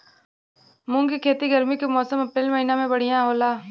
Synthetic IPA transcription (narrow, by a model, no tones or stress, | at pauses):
mʊ̃ŋɡikʰeːt̪iɡəɾmikemɔːsəməpɾeːlməɦinamẽbəɽ̤ijãɦoːlaː